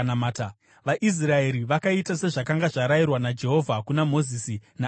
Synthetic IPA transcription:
namaːta | ʋaʔis̬rae̞ɾiʋakaitase̞ʐakaŋɡaʐaɾajirwanad͡ʒe̞ɦo̞vʱakunamo̞zisina

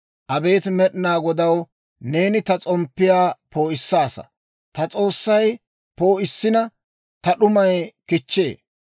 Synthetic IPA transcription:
ʔɐbe̞ːt̪mɛɗnaːɡɔd̪ɐw | ne̞ːnɪt̪ɐt͡sʼɔmpːɪjaːpo̞ːɪsːaːsɐ̰ | t̪ɐt͡sʼo̞ːsːɐj | po̞ːʔɪsːɪnɐ | t̪ɐɗʊmɐjkɪt͡ʃːe̞̰ː

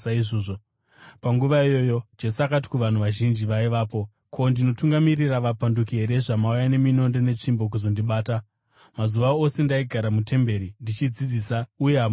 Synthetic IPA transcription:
aiʐoːʐo | paŋɡuʋaijo̞jo̞d͡ʒe̞suakat̬i̥kuʋan̤uʋaʒind͡ʒiʋaiʋaːpo̞ | kʰo̞ndino̞tuŋɡamiriraʋapandukieɾe̞ʐamaujane̞mino̞nde̞ne̞t͡ʂimbo̞k̬uzo̞ndiɓaːta | mazuʋao̞se̞ndaiɡʱaɾamutʰe̞mbe̞ɾindit͡ʃid͡zid͡ziːsauje̞ɦam

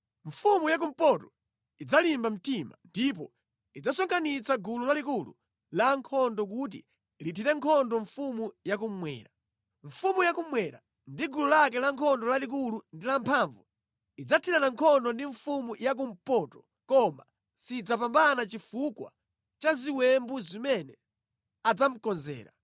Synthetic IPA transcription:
ɱ̩fumujak̬um̩pɔtɔ | id͡zalimbam̩tima̰ndip̬ɔ | id͡zasɔŋkanit͡saɡululalik̬ulṵ | laŋkʰɔndɔk̬ut̬ḭ | litʰitɛŋkʰɔndɔɱfumujak̬ummwɛ̰ːɾa | ɱ̩fumujakumwɛɾa | ndiɡululak̬ɛlaŋkʰɔndɔlalik̬ulundilampʰaɱvu | id͡zatʰitanaŋkʰɔndɔndiɱfumujak̬um̩pɔtɔ̥ | kɔma̰ | sid͡zapambanat͡ʃifukwa̰ | t͡ʃaziwɛmbuzimɛnɛ | ad͡zam̩kɔnzɛ̰ːɾa̰

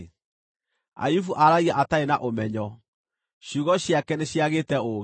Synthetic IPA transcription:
a̰jufuʔaɾaɣiaʔataenaʔomɛɲɔ | ɕuːɣɔɕjakɛneɕjaɣeːtɛoɣ

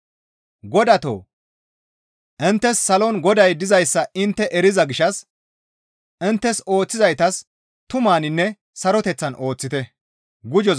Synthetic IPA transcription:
ɡɔd̪ɐt̪o̰ː | ʔɪnt̪ːɛsːɐlɔnɡɔd̪ɐjd̪ɪzɐjsːɐɪnt̪ːɛʔɛɾɪzɐɡɪʃɐs | ʔɪnt̪ːɛso̞ːt͡sːɪzɐjt̪ɐs | t̪ʊmaːnɪnːɛ | sɐɾɔt̪ɛt͡sːɐnʔo̞ːt͡sːɪt̪ɛ | ɡʊd͡ʒɔ

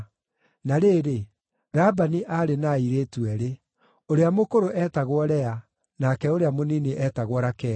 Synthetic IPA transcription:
naɾeːɾe | ɾabaniʔaɾenaiɾeːtwɛɾe | oɾeamokoɾoʔɛːtaɣwɔɾɛa | nakɛoɾeamonineʔɛtaɣwɔɾakɛ

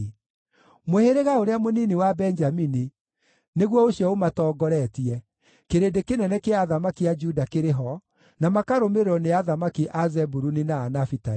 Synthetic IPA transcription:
moheɾeɣaoɾeamoniniwabɛnd͡ʒamini | neɣwɔoɕjɔomatɔːɡɔɾɛtiɛ | keɾedekenɛnɛkeaðamakiad͡ʒudakeɾeɦɔ | namakaɾomeɾɔneaðamakiʔazɛbuɾuninaːnafita

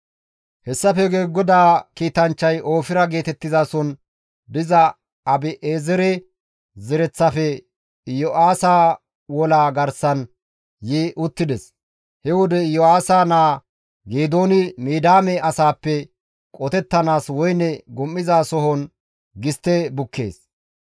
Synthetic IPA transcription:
hɛsːɐfɛɡeːɡɔd̪aːkiːt̪ɐnt͡ʃːɐjʔo̞ːfɪɾɐɡe̞ːt̪ɛt̪ːɪzaːsɔn | d̪ɪzɐ | ɐbɪʔeːzɛɾɛ | zɛɾɛt͡sːɐfɛ | jɔʔaːsaː | wɔlaːɡɐɾsɐn | jiːʔʊt̪ːɪd̪ɛs | hɛwɔd̪ɛjɔaːsaːnaː | ɡeːd̪oːnɪmiːd̪aːmɛɐsaːpːɛ | kʼɔt̪ɛt̪ːɐnaːswɔjnɛɡʊmːɪzaːsɔɦɔn | ɡɪst̪ːɛbʊkːe̞̰ːs

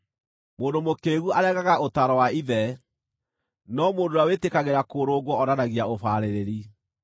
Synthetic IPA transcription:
moːndomokeɣuʔaɾɛɣaɣaotaɾɔwaiðɛ | nɔmoːndoawetekaɣeɾakoːɾoːɣwɔɔɾanaɣiaofaːɾeɾeɾi

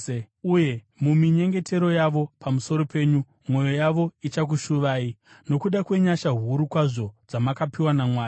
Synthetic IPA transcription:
uje | mumiɲe̞ŋɡe̞te̞ɾo̞jaʋo̞pamuso̞ɾo̞pe̞ːɲu | mwo̞jo̞jaʋo̞it͡ʃak̬uʃuʋaːi | no̞kuɗakwe̞ɲaʃaɦuɾukwaʐo̞d͡zamakapiwanamwaːja

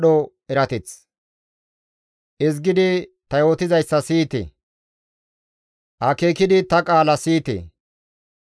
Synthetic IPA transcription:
ɗo | ɛɾɐt̪ɛt͡s | ʔɪzɡɪd̪ɪt̪ɐjot̪ɪzɐjsːɐsiːt̪ḛ | ʔɐkeːkɪd̪ɪt̪ɐkʼaːlɐsiːt̪ḛ

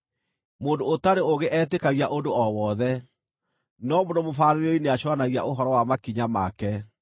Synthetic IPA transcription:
moːndoːtaɾeoɣeʔɛtekaɣiaʔondoɔwɔðɛ | nɔmondomofaːɾeɾeineaɕwanaɣia̰ʔoɦɔɾɔwamakiɲamakɛ

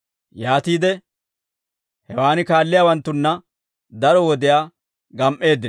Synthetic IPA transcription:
jaːt̪iːd̪ɛ | hɛwaːnɪkaːlːɪjaːwɐnt̪ːʊnːɐ | d̪ɐɾɔwɔd̪ɪjaː | ɡɐmʔe̞ːd̪ːɪn

